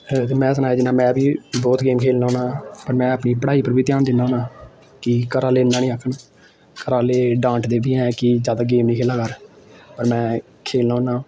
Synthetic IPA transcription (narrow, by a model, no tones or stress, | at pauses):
t̪emɛ̃ːs̬ənaːjaːd͡ʒɪnãːmɛ̃ːbiːbɔːt̪ɡeːmkʰeːlnãːoːnãːpəɾmɛ̃ːəpniːpəɽaːiːpəɾbʱiːt̪ɪjaːnd̪ɪnːaːoːnãː | kɪkəɾaːleːnːãːnĩːəːkʰːəɳ | kəɾaːleːɖãːʈd̪eːbiːɛ̃ːkɪzjaːd̪aːɡeːmnĩːkʰeːlaːkəɾpəɾmɛ̃ː | kʰeːlnaːnãː